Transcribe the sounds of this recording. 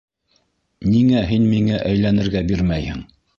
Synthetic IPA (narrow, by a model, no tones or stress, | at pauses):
niŋæɦinmiŋæʔæjlænɘ̆ɾɡæbiɾmæjhɘ̰ŋ